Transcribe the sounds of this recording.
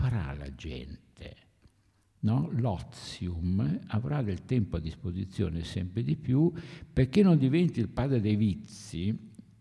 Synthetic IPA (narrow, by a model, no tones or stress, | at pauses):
faɾa̰la̰d͡ʒɛ̰nt̪ʰḛ | nɔlɔt̪sjumavɾad̪elt̪ɛmpoad̪ːispozit̪sːjɔ̰ːnesɛ̰mpɾed̪ipjuperk̟enːond̪ivɛnt̪ilpaːd̪ɾed̪ejvit̪sːi